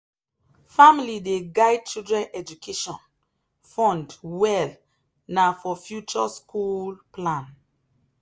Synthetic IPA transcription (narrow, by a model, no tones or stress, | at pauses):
familideɡaɪd̚t͡ʃildɹɛ̃nɛd͡ʒukʰeʃɔ̃n | fɔ̃ndwɛl | nafɔfjut͡ʃɔskulplãn